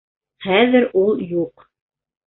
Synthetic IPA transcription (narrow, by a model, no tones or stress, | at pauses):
χæðɘɾulˠjuq